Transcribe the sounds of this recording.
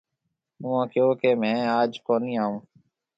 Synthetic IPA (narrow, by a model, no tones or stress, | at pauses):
ũːãːkjoːkeːmɛ̃ːaːd͡ʒkoːniːaːɦũː